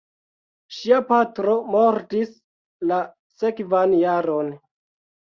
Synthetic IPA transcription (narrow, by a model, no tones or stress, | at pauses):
ʃiapatɾo̞moɾtis | la | sekvanjaɾo̞n